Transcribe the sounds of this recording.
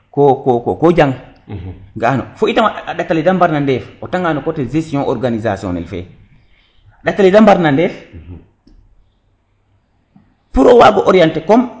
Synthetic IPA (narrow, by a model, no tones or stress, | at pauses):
kɔkɔkɔkɔd͡ʒaŋ | ɡaːnɔ̰foitamaɗaaɗatːalidambaɾnandɛfʔɔtaŋɡanɔkɔtɛzesiɔŋʔɔ̰ɾɡanizasiɔ̰nɛ̰lfɛ̰ | aɗatːalidambaɾnandɛf | puɾɔwaɡɔʔɔɾijɛntɛkɔm